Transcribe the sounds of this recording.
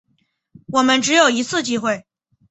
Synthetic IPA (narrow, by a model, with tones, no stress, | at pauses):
wɔ˨˩mə˦nʈ͡ʂɻ̩˧˥jo˨˩ʊi˧˥t͡sʰɹ̩˥˧t͡ɕi˥˧xwe˥˩ɪ